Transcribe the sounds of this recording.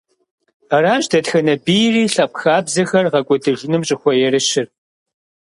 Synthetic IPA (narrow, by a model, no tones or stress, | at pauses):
ɐraːʒdɐtxɐnɐbijriːɬɐp̚ʼxaːbzɐxɐrʁɐkʷʼɔdɨʒɪnɨmɕʼɪxʷɔjɛrɨʃɪr